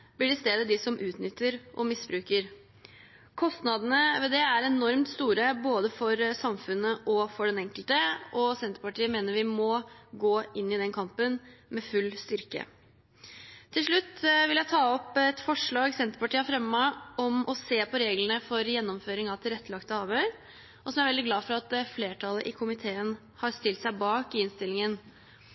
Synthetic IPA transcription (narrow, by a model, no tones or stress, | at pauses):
b̥lɪɖɪlst̪eːd̪əd̪ɪsɔmʔʉːt̪nʏt̪ːəɾʔɔ̰mɪsbɾʉːkəɾ | kʰɔst̪nɑd̪ənəʋɛd̪ɛæɾɛnɔɾmt̪st̪uːɾəboːd̪əfɔɾsɑmfʉnːəʔɔfɔɖɛnɛŋkəlt̪əʔɔsɛnt̪əɾpɑʈiːəmeːnəɾʋɪmɔɡoːɪnːɪd̪ɛnkʰɑmpənmɛfʉlːst̪ʏɾkə̰ | t̪ʰːɪlʂɭʉt̪ːʋɪljæɪt̪ʰɑːɔpːɛt̪fɔʂɭɑːɡsɛnt̪əɾpɑʈiːɑfɾɛmːəʔɔmʔɔseːpʰɔɾeːɡlənəfɔɾjɛnːɔmføːɾɪŋɑʋt̪ʰɪlɾɛt̪ːəlɑkt̪əhɑːʋəɾ | ʔɔsɔmæɾʋɛld̪ɪɡlɑːfɔɾɑt̪fleːʈʰɑləʔɪkʰʊmɪt̪ʰeːən | hɑɾst̪ɪlt̪sæɪbɑːkɪɪnst̪ɪlɪŋən